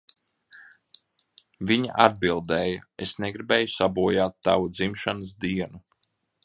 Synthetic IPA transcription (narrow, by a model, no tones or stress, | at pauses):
viɲa̰ʔad̪̚bilˠd̪ɛːjaesneɡɾibɛːjusabuɔjaːt̪ːavud̪zimʃanəsd̪iɛnu